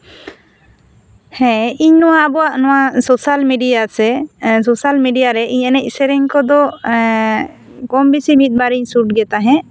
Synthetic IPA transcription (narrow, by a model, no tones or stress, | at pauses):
hɛ̃iɲnɔwabɔwaʔnɔwasosalmiɖijasɛsosalmiɖijaɾɛʔiɲɛnɛisɛɾɛɲkɔd̪ɔ | kɔmbisimit̪̚ˀbaɾiɲsuʈ̚ɡɛt̪aɦɛ̃